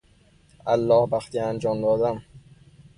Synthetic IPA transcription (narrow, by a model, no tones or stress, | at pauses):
ʔælːɒːhbæxt̪iːænd͡ʒɒːmd̪ɒːd̪æm